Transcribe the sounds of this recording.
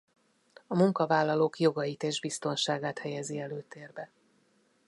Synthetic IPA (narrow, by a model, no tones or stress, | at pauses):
ɒmuŋkɒvaːlːɒloːkjo̞ɡɒjit̪eːʒbist̪o̞nʃaːɡaːt̪hɛjɛziɛløːt̪eːrbɛ